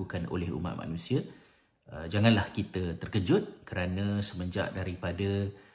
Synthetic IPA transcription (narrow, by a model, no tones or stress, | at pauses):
ukano̰lɛhṵma̰ʔ̪̚ma̰nũsiə | əd͡ʒaŋãnlahkit̪ət̪ərkəd͡ʒʊt̪̚kəɾanə̃səmə̃ɲd͡ʒa̰ʔdaɾipadə